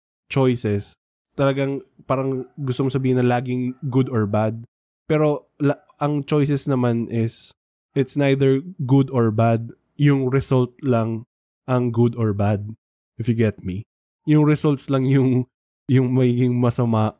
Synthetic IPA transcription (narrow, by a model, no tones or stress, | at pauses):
t͡ʃojsɛs | t̪ɐlɐɡaŋpaːɾɐŋɡʊst̪omosɐbiːhɪnɐlaːɡɪŋɡʊd̪ɔɹbad̪̚ | pɛːɾo̞ | la | ʔɐŋt͡ʃojsɛsnɐmanʔɪs | ʔɪt̪snajd̪ɛɹɡʊd̪ɔɹbad̪̚ | jʊŋɾɛsɔlt̪̚lɐŋ | ʔɐŋɡʊd̪ɔɹbad̪̚ | ʔɪfjʊɡɛt̪̚mi | jʊŋɾɛsɔlt̪slɐŋjʊŋ | jʊŋmɐɡiɡɪŋmɐsɐmaʔ